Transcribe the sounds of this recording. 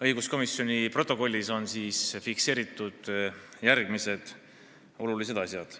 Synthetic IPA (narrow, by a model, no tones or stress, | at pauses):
ɤjɡusko̞misːjo̞nʲipro̞t̪ːˑo̞ko̞lʲːiso̞nsiːsfikse̞ːɾit̪ːˑud̪̥ | jærɡ̥mise̞d̪̥ | o̞lulise̞d̪̥ɑsʲjɑd̪̥